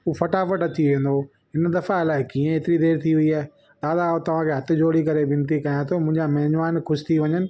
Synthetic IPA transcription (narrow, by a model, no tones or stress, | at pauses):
uːfɐʈafəʈɐt͡ɕiʋẽːn̆d̪o | ɦɪnd̪ɐfaɪlaːɪkiːẽeːt̪ɪɾid̪eːɾt̪ʰiɦʊiaːe | d̪aːd̪aot̪ɐʋ̤ãkʰeːɦɐt̪ɪ̆d͡ʑoːɽikɐɾebɪ̃nt̪ikɐjãt̪ʰomʊ̃ɦɪ̃ɲd͡ʑamɐɦɲʋaːnxʊʃɪ̥t̪ʰiʋɐɲənɪ̆